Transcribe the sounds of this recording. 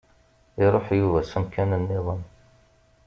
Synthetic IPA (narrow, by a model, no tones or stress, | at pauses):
ɪɾˤoħjuvæsəmkʰænənːɪðˤən